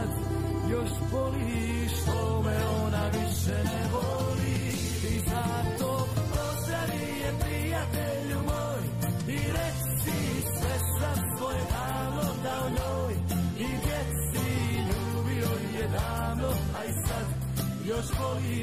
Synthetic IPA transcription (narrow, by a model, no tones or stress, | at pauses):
d̪ | joʃpoli | ʃt̪omɛonaʋiʃɛnɛvo | li | izat̪oːpozɾaʋijɛpɾijat̪eʎumoj | iɾɛt͡ʃt̪i | sʋɛsasʋojɛd̪aːmlokaoɲoːjid̪jɛsiʎuːbiojɛd̪aːmnoaisad̪ | joʃboli